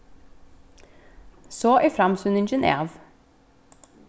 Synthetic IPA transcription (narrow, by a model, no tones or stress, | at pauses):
soːʔifɾɑmshʉnɪnʃɪnḛːʋ